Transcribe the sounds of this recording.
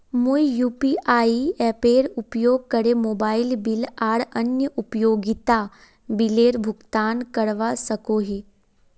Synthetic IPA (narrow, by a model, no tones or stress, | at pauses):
mujuːpiʔaːiɛpeːɾupjoːɡ̚kəɾemoːbaːɪlbɪlaːɽənjəʔupjoːɡit̪a | bileːɾbʱʊɡt̪aːnkəɽʋasəkoɦiː